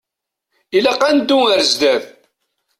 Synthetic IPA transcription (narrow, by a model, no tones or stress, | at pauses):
ilæqːænd̪ːuŋəɾzd̪æð